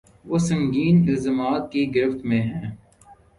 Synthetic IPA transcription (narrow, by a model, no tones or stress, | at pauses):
ʋoːsə̃ŋɡiːnɪlzəmaːt̪̚kiɡɪɾɪft̪mẽɦɛ̃ː